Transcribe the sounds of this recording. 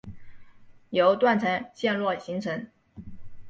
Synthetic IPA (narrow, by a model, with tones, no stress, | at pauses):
jo˧˥ʊt̪wa˥˩nt͡sʰa˧˥nɕjɛ˥˧nlwɔ˥˩ɕi˧˥ŋt͡sʰɤ˧˥n